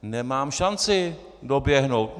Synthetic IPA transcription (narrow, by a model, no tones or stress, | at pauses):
nɛmaːmʃant͡sɪ | do̞bjɛɦno̞wt̪̚